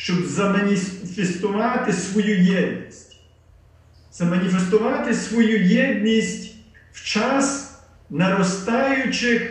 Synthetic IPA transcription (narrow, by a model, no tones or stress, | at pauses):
ʃt͡ʃɔbzɐmɐnʲifʲest̪ʊʋɑt̪ɪsʋɔjujɛd̪ʲnʲisʲtʲ | z̥ɐmɐnʲifest̪ʊʋɑt̪ɪsʋɔjujɛd̪ʲnʲisʲtʲw̥t͡ʃɑs | nɐɾɔst̪ɑjʊt͡ʃɪx